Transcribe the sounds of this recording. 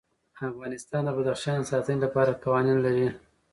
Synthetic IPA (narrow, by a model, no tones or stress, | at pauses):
afɣɑnɪst̪ɑnd̪əbad̪axʃɑnsɑt̪ənilapɑɾakɑwɑninlaɾi